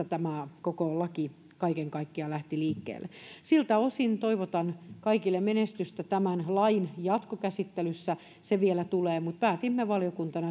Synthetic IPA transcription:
æt̪æmækokolɑki | kɑikeŋkɑikːiɑlæht̪iliːkːḛːlːḛsilt̪æosint̪oiʋot̪ɑnkɑikilːemmenest̪yst̪æt̪æmænlɑinjɑt̪kokæsit̪ːelysːæ | seʋielæt̪uleːmut̪̚pæːt̪imːeʋɑlijokunt̪ɑnɑ

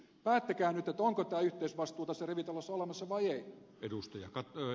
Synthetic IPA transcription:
pæːt̪ːækæːnyt̪et̪oŋkot̪æːyht̪eisʋɑst̪ˑuːt̪ɑsereʋit̪elːɑsːolemɑsːɑʋɑiei | edust̪ɑjɑkɑt

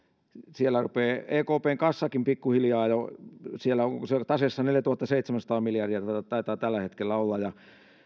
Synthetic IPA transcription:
sielːærupeːeːkoːpeːŋkɑsːɑkimpikːuhiljɑːjosielːˑæoŋset̪ɑsesːɑneljæt̪uhɑt̪ːɑseit̪semænsɑt̪ɑːmiljɑrdiæt̪t̪ɑit̪ɑːt̪ælːæhet̪kelːæolːɑjɑ

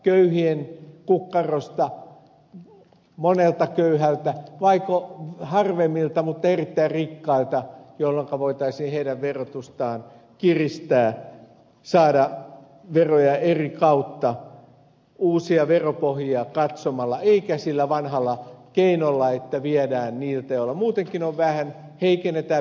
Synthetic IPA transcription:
køyhienkukːɑrost̪ɑ | monelt̪ɑkøyhælt̪æʋɑikohɑrʋemːilt̪ɑmut̪ːɑerit̪ːæirrikːɑilt̪ɑjolːoŋkɑʋoit̪ɑisiːnheidæʋʋerot̪ust̪ɑːn | kirist̪æː | sɑːdɑ | ʋerojɑerikɑut̪ːɑ | uːsiɑʋeropohjiɑkɑt̪somɑlːɑeikæsilːæʋɑnhɑlːɑkeinolːɑet̪ːæʋiɛdæːnniːlt̪æolːɑmuːt̪eŋkinoʋʋæhæn | heikenːet̪æ

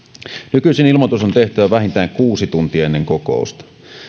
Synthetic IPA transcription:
nykyisenilmot̪usont̪e̞ht̪æʋæʋæɦint̪æːŋkuːsit̪unt̪iɑenːeŋkoko̰ˑust̪ɑ̥

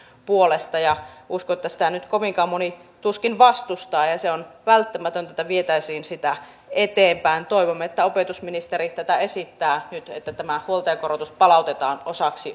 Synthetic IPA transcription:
puolest̪ɑjɑuskoet̪ːæsi̥t̪ænyt̪koʋiŋkɑːmonit̪uskinʋɑst̪ust̪ɑːjɑseonʋælt̪ːæmæt̪ønt̪æet̪ːæʋiet̪æisiːnsit̪æ | et̪eːmpæint̪oiʋomːeet̪ːæopet̪usminist̪eɾitt̪æt̪æesit̪ːæːnyt̪ḛt̪ːæt̪æmæhuolt̪eːkorot̪uspɑlɑˑut̪et̪ɑːnosɑksi

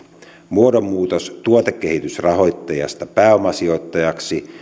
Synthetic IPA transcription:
muodomːuːt̪ost̪uot̪ekːehit̪ysrɑho̞jt̪ːɑjɑ̰st̪ɑpæːomːˑɑsio̞it̪ːɑjɑksi

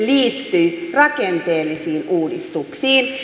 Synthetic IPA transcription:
liːt̪ːyjrɑkent̪eːlːisiːnuːdist̪uksiːn

